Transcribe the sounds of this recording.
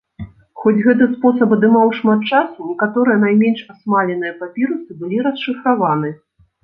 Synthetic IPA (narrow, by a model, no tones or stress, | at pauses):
xɔd͡zʲɣɛt̪ɨspɔsɐpɐd̪ɨmawʂmat̪̚t͡ʂasunʲɛkat̪ɔɾɨjɐnajmʲɛnʂasmalʲɛnɨjɐpapʲiɾɨt̪sɨbɨlʲiɾɐsʂɨfɾavanɨ